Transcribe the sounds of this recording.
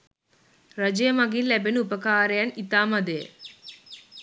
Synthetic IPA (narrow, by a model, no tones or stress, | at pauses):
ɾɐd͡ʒɐjɐmɐɡilːɛbenuupɐkaːɾɐjɐnit̪aːmɐd̪eː